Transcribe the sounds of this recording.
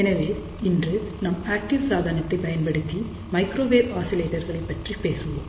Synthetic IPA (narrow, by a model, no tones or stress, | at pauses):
enɐʋeː | indrɨnɐmaːk̚ʈiʋsaːd̪ʱɐnɐt̪ːebɐjɐnpɐɽɯt̪ːi | mɐjkɾoːʋeːbaːsileːʈːɐrɣɐɭepːɐʈripeːsuʋum